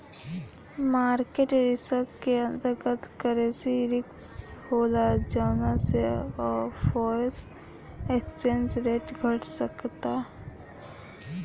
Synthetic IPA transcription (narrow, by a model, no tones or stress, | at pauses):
maːɾkeʈɾɪsəɾkkːeə̃nd̪əɾkəɾt̪kəɾẽsiɾɪkshoːlad͡ʒaːnaseɔːɾfɔːɾs | eːkst͡ʃẽnsɾeːʈɡʱəʈsəkt̪a